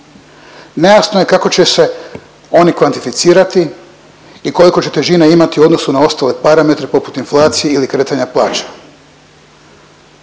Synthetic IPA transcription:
nejaːsnoje̞kako̞t͡ɕe̞se̞ | o̞nikʋant̪ifit̪siːɾat̪i | iko̞liko̞t͡ɕe̞t̪e̞ʒineimat̪iuo̞d̪no̞sunao̞st̪aːle̞paɾame̞t̪ɾepo̞pu̥t̪inflˠaːt̪sijeilikɾe̞ːt̪aɲaplˠaːt͡ʃḁ

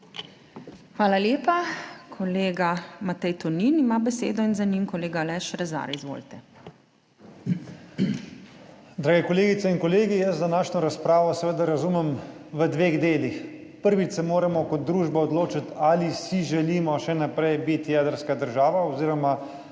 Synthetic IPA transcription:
xʋaːlaljeːpakʰɔleːɡamat̪ɛjt̪ɔninimabɛseːd̪ɔinzanimkɔleːɡalɛʃɾɛza̰ɾizʋo̰ːlt̪ɛ | d̪ɾaːɡɛkɔleːɡit̪sɛinkɔleːɡijəzd̪anaːʃnɔɾaspɾaːʋɔsɛʋeːd̪aɾazumɛmʋəd̪ʋeɣd̪eːlixpəɾʋit͡ʃ̪sɛmoːɾamɔkɔt̪̚d̪ɾuːʒbɛɔd̪loːt͡ʃat̪alisiʒɛliːmɔʃɛnapɾɛjbit̪jɛːd̪əɾskad̪əɾʒaːʋaɔziːɾɔma

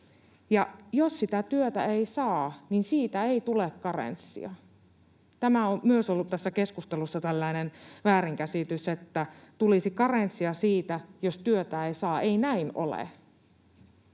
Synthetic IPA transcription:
jɑjossit̪æt̪yøt̪æeisɑːninsiːt̪æeit̪ulekkɑrḛnsːḭɑ | t̪æmæommyøsolːut̪t̪æsːækeskust̪elusːɑt̪ælːæinenʋæːɾiŋkæsit̪yset̪ːæt̪ulisikɑrent̪siɑsiːt̪æjost̪yøt̪æeisɑːʔeinæino̰lḛ

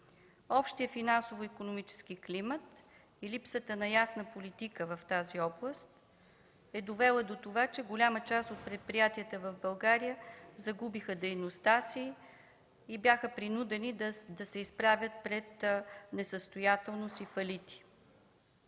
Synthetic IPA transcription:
ɔpʃt̪iəfinansovoikonomit͡ʃɛ̥sk̟iklimət̪ | ilipsət̪ənɐjasnəpolit̪ikəvəft̪aziɔblˠəst̪̚ | ɛd̪ovɛlˠəd̪ot̪ovat͡ʃɛɡolʲamət͡ʃast̪ot̪̚pɾɛt̪̚pɾijat̪iət̪əvəvbɐlˠɡaɾijəzɐɡubixəd̪ɛjnost̪asiː | bʲjaxəpɾinud̪ɛnid̪d̪ɐsɛispɾavʲət̪̚pɾɛt̪nɛsəst̪ojat̪ɛlˠnosifɐlit̪i̥

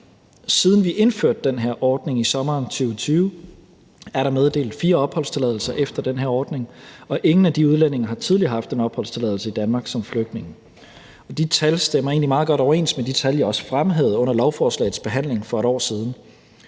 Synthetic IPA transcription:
sið̞ˠn̩ʋiʔe̝nføɐ̰d̥ːenɦeɐʔɒːd̥ne̝ŋisɒ̽mɐːnt͡sʰyːʊt͡sʰyːʊ | æɐɾɑ̈með̞ˠd̥e̝̰ːld̩ˠfiːɐɒ̽b̥hɒ̽l̰st͡sʰe̝lɛðˠl̩sɐʔefd̥ɐd̥enɦeɐɒːd̥ne̝ŋɒ̽ʔe̝ŋn̩æd̥iuð̞ˠlene̝ŋɐhɑ̈t͡sʰið̞ˠliɐɦɑ̈fd̥e̝nɒ̽b̥hɒ̽l̰st͡sʰe̝lɛðˠl̩səid̥ænmɑ̈ːɡ̥sɒ̽mfløɡ̥̚d̥ne̝ŋ̩ | ɒ̽d̥it͡sʰælsd̥emɐe̝̰ːnlimɑ̈ːðˠɡ̥ɒ̽ɾ̥ɒʊɐe̝̰ːnsmed̥it͡sʰæljɑɒ̽sə̥fʁamɦeð̞̩ˠɔ̽n̰ɐlɒʊfɒːslɛ̰ɪðˠsb̥e̝ɦæn̰le̝ŋfɒ̽e̝ɾ̥ɒ̰ːsiːð̞ˠn̩

